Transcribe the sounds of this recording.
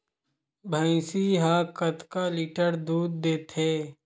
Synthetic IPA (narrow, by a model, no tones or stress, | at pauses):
bʱə̃ɪ̃siɦaːkət̪kaliʈəɾd̪uːd̪ːeːt̪ʰɦeː